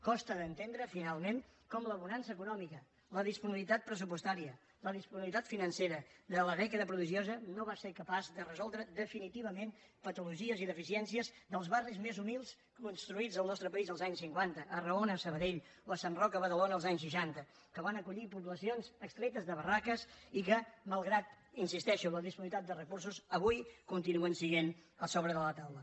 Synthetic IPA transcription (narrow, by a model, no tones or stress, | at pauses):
kɔst̪əðənt̪end̪ɾəfinalˠmenkɔmləːβunansəkunɔmikə | ləðispuniβlit̪at̪̚pɾəs̬upust̪aɾiə | ləðispuniβlit̪at̪finənseɾəðələðɛkəðəpɾuðiʒiozənoβaseɾkəpazðərəzɔlˠd̪ɾəðəfinit̪iβ̞əmenpət̪uluʒiəziðəfisiɛnsiəzðəlˠzβarizmezumilˠs | kunst̪ɾuid͡zəlˠnɔst̪ɾəpəizəlˠzaɲsiŋkwant̪əʔːrəonəːsəβəðeʎ | ləsanrɔkəβəðəlonəːlˠzaɲs̬ʃəʃant̪ə | kəβanəkuʎipuβləsionzəkst̪ɾɛt̪əzðəβərakəzikəməlˠɣɾat̪ | insist̪ɛʃuələðispunit̪at̪̚d̪ərəkurs̬uzəβujkunt̪inuənsiɣenəsoβɾəðələt̪awlə